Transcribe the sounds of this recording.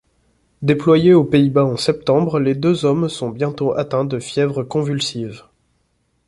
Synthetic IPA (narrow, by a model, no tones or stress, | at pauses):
d̪eplwajeopeibaɑ̃sɛp̚t̪ɑ̃bʁled̪øzɔmsɔ̃bjɛ̃t̪oʔat̪ɛ̃d̪əfjɛvʁəkɔ̃vylsiv